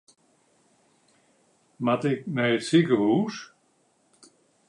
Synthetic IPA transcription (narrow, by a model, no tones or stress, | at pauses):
matɪk̚mɛjətsikəhuːs